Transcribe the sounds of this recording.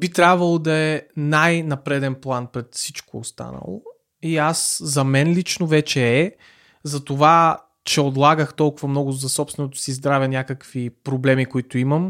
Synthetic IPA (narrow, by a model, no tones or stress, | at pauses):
b̥it̪ɾʲjabvɐlˠod̪ɐɛnajnɐpɾɛd̪ɛnplˠanpɾɛt̪fsit͡ʃkoːst̪a̰nə̰lˠo̰ | iaszɐmɛnlit͡ʃnovɛt͡ʃɛɛ | zɐt̪ova | t͡ʃɛod̪lˠaɡəxt̪ɔlˠkʊvɐmnɔɡʊzɐsɔpst̪vɛnot̪ʊ̥sizd̪ɾavʲɛnʲjakəkvipɾoblɛmikoit̪ʊiməm